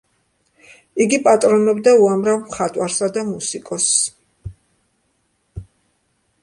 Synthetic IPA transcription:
iɡipʼat̪ʼɾɔnɔbd̪auamɾavmχat̪ʼwaɾsad̪amusikʼɔs

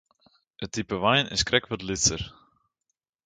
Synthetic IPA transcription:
ətipəʋajnɪ̰skrʔɛkʋɔtlɪsər

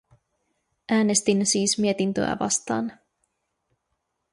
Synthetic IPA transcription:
ʔæːne̞st̪insiːsmie̞t̪int̪ø̰jæ̰ʋɑ̰st̪ɑ̰ːn

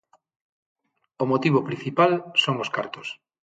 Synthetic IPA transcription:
omot̪iβ̞opɾĩn̟θipalsoŋoskaɾt̪o̥s

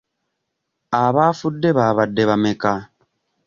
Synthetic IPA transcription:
aβaːfudːe̞βaːβadːe̞βameka

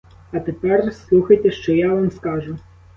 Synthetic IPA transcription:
ɐt̪epɛrslˠuxɐjt̪ɛʃt͡ʃɔjaʋamskɑʒʊ

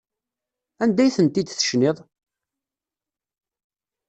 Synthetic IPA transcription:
ænd̪æjθənt̪id̪θə̥ʃnɪðˤ

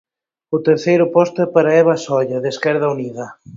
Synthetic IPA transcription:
ʊt̪eɾθejɾʊpɔst̪ʊɛpaɾaɛβ̞asɔʎɐðeskɛɾð̞ɐuniðɐ

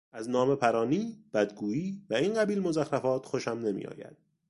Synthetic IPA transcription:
ʔæznɒːme̞pʰæɾɒːniːb̥æd̪ɡuːiːvæiːnɢæbiːlmozæxɾæfɒːt̪xoʃæmne̞mḭːʔɒ̰ːjæ̰d̪̥̚

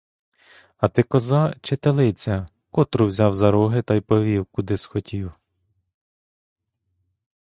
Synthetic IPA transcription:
ɐt̪ɪkɔzɑt͡ʃet̪elˠɪt͡sʲɐ | kɔt̪ɾʊwzʲɑwzɐɾɔɦɪt̪ɑjpɔʋʲiwkʊd̪ɪsxɔtʲʰiw

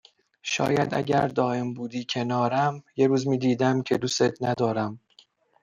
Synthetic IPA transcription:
ʃɒ̰ːjæ̰d̪ʔæ̰ɟæ̰ɾd̪ɒːʔe̞mbuːd̪iːcʰe̞nɒːɾæmjeɾuːzmiːd̪iːd̪æmcʰe̞d̪uset̪ʰnæd̪ɒːɾæm

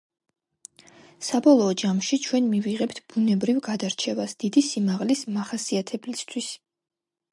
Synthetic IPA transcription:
sabɔlˠɔːd͡ʒamʃit͡ʃʰwɛnmiviʁɛpt̪ʰb̥unɛbɾivɡad̪aɾt͡ʃʰɛvasd̪̥id̪isimaʁlismaχasiat̪ʰɛblist̪ʰwis

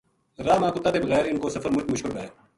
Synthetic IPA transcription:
ɾaːmãːkʊt̪ːaːt̪eːbəɣɛːɾɪnkoːsəfəɾmʊt͡ʃmʊʃkɪlbɛːeː

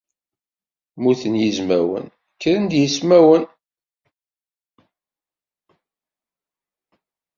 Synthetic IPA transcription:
muθənjizmæwə̰n | kːɾənd̪jismæwən

